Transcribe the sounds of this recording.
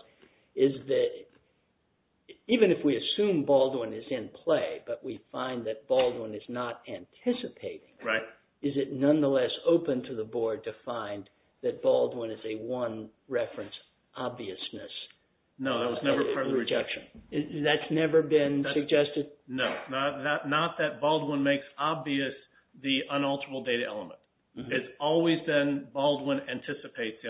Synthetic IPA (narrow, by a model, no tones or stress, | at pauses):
ɪzðɨɾ | ivɨ̃nɨfwiɨsʉ̃mbɔlˠd̚wə̃nɨzɪ̃npʰl̥eɪb̥ʌʔ̚wifãɪ̃nðɨt̚b̥ɔlˠd̚wə̃nɨznəɾæ̃ntʰɪsɨpʰeɪɾɪ̰̃ŋɹaɪ | ɨzɨtⁿnʌ̃nðəlɛsoʊpɨ̃ntʰɨðəbɔɹd̚tʰɨfãɪ̃n | ðɨt̚b̥ɔlˠdwə̃nɨzɨwʌ̃nɹɛfɹɨ̃ns | ʔɑbviɨsnɨs | noʊðət̚wʌznɛvə˞ɜ˞ɨd͡ʒɛkʃɨ̃nðɨtsnɛvə˞bɪ̃nssɨɡ̚d͡ʒɛstɨd̚noʊnət̪̚ðətⁿnət̪̚ðɨt̚b̥ɔlˠd̚wə̃nmeɪksɑbviɨs | ðiʔə̃nʌlˠtʰə˞əl̩ˠdeɪɾɨɛ̰lˠəmə̰̃nt | ɪɨtzɔlˠwizðɨ̃nbɔlˠd̚wɪ̃næ̃ntʰɪsɨpʰeɪtsɨ̃